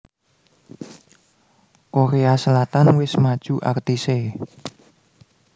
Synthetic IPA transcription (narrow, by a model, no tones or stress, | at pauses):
koɾeasəlat̪anwɪsmad̥ʒ̥uʔa̰rt̪ise